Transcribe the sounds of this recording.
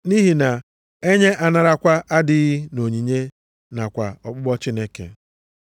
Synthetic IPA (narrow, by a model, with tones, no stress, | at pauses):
ni˦ɦi˨na˨ | e˦ɲe˦ʔa˨na˨ɾa˦kʷa˦ʔa˦dɪ˨˦ɣi˦no˨ɲi˨ɲe˦ | na˨kʷa˨ɔ˨k͡pʊ˦ɡ͡bɔ˦t͡ʃi˦ne˦kḛ˨